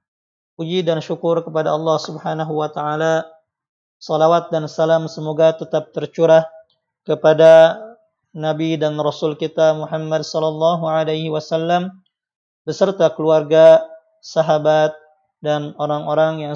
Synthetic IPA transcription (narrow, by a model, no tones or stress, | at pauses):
pud͡ʒidanʃukʊrkəpadaɑlːɑhsubhanaɦuwat̪aʕala | sɔlawat̪̚dansalamsəmoɡat̪ət̪ap̚t̪ərt͡ʃuɾah | kəpada | nabidanrosulkit̪amuħamːadsɔlːɑlːɑɦuʕalajhiwasalːam | bəsərt̪akəluarɡa | saɦabat̪̚ | danoɾaŋoɾaŋjaŋ